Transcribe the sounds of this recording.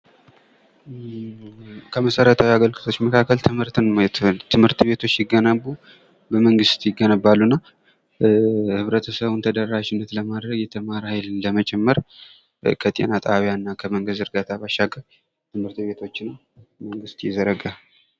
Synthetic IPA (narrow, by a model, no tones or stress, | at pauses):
kʰəməsəɾət̪ʰawiaɡəlɡɨt̪ʰo̞t͡ʃːməkʰakːəlt̪ʰɨmhɨɾt̪ɨnmjɛt̪ʰt̪ʰɨmhɨɾt̪be̞t̪ʰo̞t͡ʃːjɪɡːənəbu | bəməŋɡɨst̪jɪɡːənəbalːunːa | hɨβɾət̪ʰəsəβunt̪ʰəd̪ərːaʃɪnːət̪ləmad̪ɾəɡjɛt̪ʰəmaɾhajlːəmət͡ʃʼɛmːəɾ | kʰət̪ʼe̞̰nat̪ʼaβjanːakʰəməŋɡəzɨɾɡat̪ʰabaʃːaɡə | t̪ʰɨmhɨɾt̪be̞t̪ʰo̞t͡ʃːɪnː | məŋɡɨst̪jɛzəɾəɡa